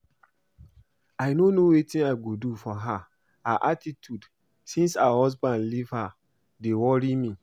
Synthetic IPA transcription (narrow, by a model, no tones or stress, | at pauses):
aɪnonowetĩnaɪɡudufɔɦa | aʔatitʰjud | sĩnsaahɔzbãndliv̥ha | dewɔɹimi